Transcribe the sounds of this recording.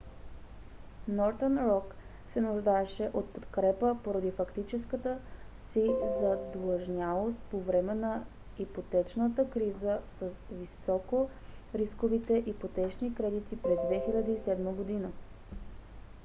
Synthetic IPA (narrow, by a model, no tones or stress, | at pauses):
nɔɾt̪ənɾɔk | sɛnuʒd̪aɛʃɛʔot̪̚pot̪kɾɛpəpoɾəd̪ifɐkt̪it͡ʃɛskət̪ə | sizɐd̪lˠəʒnʲalˠost̪̚povɾɛmɛnɐ | ipot̪ɛt͡ʃnət̪əkɾizəsəsvisɔkoɾiskovit̪ɛʔipot̪ɛt͡ʃnikɾɛd̪it̪ipɾɛzd̪vɛxilʲəd̪əisɛd̪məɡod̪inə